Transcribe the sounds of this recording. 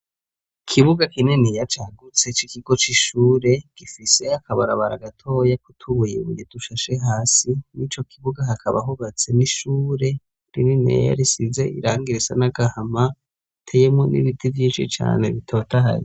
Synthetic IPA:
kʰiβuɡakininijat͡ʃaɡut͡se̞t͡ʃikiɡo̞t͡ʃiʃuːɾe̞ɡ̥ifise̞akʰaβaɾaβaɾa̰ɡatʰo̞ːjakutʰuβujiβujiduʃaʃe̞ɦaːsinit͡ʃo̞kʰiβuɡaɦakʰaβa̰ɦuβat͡se̞niʃuːɾe̞ | ɾininḛja̰ɾisize̞iɾaːŋɡiɾesanaɡahama | tʰe̞jemŋonḭβitivjiːnʃḭt͡ʃa̰ːne̞βitʰo̞ːtaɦa̰ɾi

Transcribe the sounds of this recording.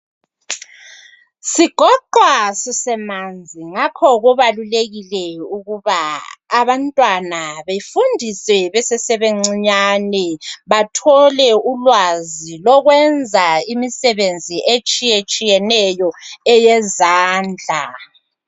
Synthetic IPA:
siɡ̥ʱɔǃwasisɛmand͡zʱiŋakʰɔɣuβaluleɣilɛuɣuβaːβantʼwanaβefundʱisɛβɛsɛsɛβeŋ͡ǀiɲanɛβatʰɔlɛulwazilɔɣwɛnd͡zʱaimisɛβend͡zʱiʔet͡ʃʼijet͡ʃʼijɛnɛjɔɛjɛzaːnd͡ɮʱa̰

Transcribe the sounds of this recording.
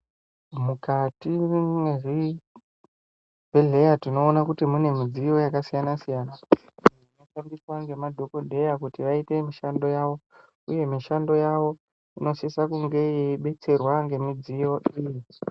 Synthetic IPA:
mukatimeʐi | bʱeɮe̞jatino̞ːnakutimune̞mid͡zijo̞jakasijanasijaːna | inofambiswaŋɡe̞madʱo̞kodʱe̞jakutiʋaite̞miʃando̞jaʋo̞ | ṵje̞miʃando̞jaʋo̞ | ino̞ʃisakuŋɡe̞jeiɓe̞t͡se̞rwaŋɡe̞mid͡zijo̞ʔiːji

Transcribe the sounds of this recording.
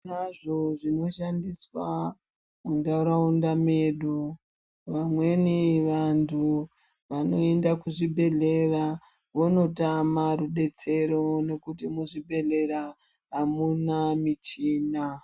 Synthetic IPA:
naʐo̞ʐino̞ʃandiswa | mundauɾaundameɗu | ʋamwe̞niʋantʰu | ʋano̞e̞ndakuʐibʱe̞ɮe̞ra | ʋono̞tamaruɗe̞t͡se̞ɾo̞ne̞kutimuʐibʱe̞ɮe̞ɾa | ɦamunamit͡ʃiːna

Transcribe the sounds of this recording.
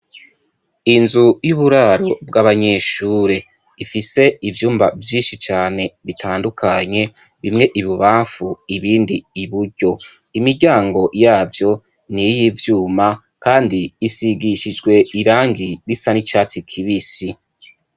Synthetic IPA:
inzujuːβuɾaɾo̞bɡaːβaɲe̞ːʃuːɾe̞ | ifise̞ivjuːmbavjiːnʃit͡ʃaːne̞βitʰaːndukʰaɲe̞ | βimŋe̞ʔiβuβaːɱfuiβiːndiiβuɾɟo̞ | imiɾɟaːŋɡo̞jaːvjo̞ | nijivjuːma | kaːndiːsiɡiʃid͡ʒɡwe̞iɾaːŋɡiɾisanit͡ʃaːt͡sikʰiβisi

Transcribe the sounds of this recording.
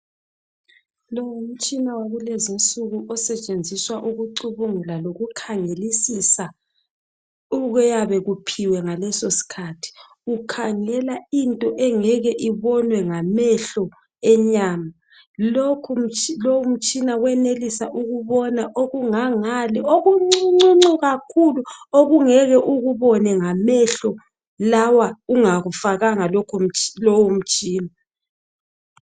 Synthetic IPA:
lowum̩t͡ʃʼinawaɣulɛzint͡sʼuɣuʔɔsɛt͡ʃʼend͡zʱiswaʔuɣuǀuβuŋulaloɣukʰaŋelisisa | uɣɛjaβɛɣupʰiwɛŋalɛsosi̥kʰatʰi̥ | ukʰaŋɛlaintʼɔʔɛŋɛɣɛʔiβɔnwɛŋamɛɬɔ | ɛɲaːma | lokʰulowum̩t͡ʃʼinawɛnelisaʔuɣuβɔnaʔoɣuŋaŋalɛoɣuŋ͡ǀuŋ͡ǀuŋ͡ǀuɣakʰuluoɣuŋɛɣɛʔuɣuβɔnɛŋamɛɬɔ | lawauŋaɣufaɣaŋalɔkʰlɔwum̩t͡ʃʼiːna

